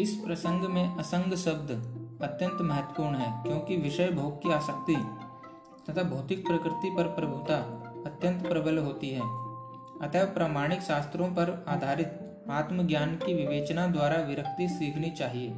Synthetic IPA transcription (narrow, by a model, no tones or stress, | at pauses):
ɪspɾɐsə̃ŋɡmẽʔɐsə̃ŋɡʱʃɐb̚d̪ʱɐt̪jə̃nt̪mɐɦət̪wə̥puːɾɳɦɛːkjõːkiʋɪʃəjbʱoːɡkiaːsək̚t̪i | t̪ɐt̪ʰabʱɐʊt̪ɪk̚pɾəkɾɪt̪ipɐɾpɾɐbʱʊt̪aɐt̪jə̃nt̪pɾɐbəlɦoːt̪iɦɛː | ɐt̪ʰapɾaːmaːɽ̃ɪkʃaːst̪ɾõpɐɾaːd̪ʱaːɾɪt̪ | aːt̪məɡjaːnkiʋɪʋeːt͡ʃnad̪waːɾaʋɪɾəkt̪isiːkʰnit͡ʃaːɦieː